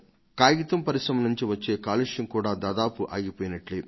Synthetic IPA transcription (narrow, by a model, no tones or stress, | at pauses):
kaːjɡit̪ɐmpɐɾisɾɐmɐnuɲt͡ʃiʋɐt͡ʃːe̞ːkaːluʂjɐŋkuːɽaːd̪aːd̪aːpuʔaːɡipoːjnɐʈli